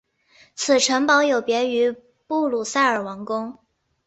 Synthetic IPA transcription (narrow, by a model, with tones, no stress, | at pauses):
t͡sʰɹ̩˨˩ʈ͡ʂʰə˧˥ŋpɑ˧˥ʊjo˨˩ʊpjɛ˧˥y˧˥ | pu˥˩lu˨˩sa˥˩ɪə˞˨˩wɑ˧˥ŋkʊ˥ŋ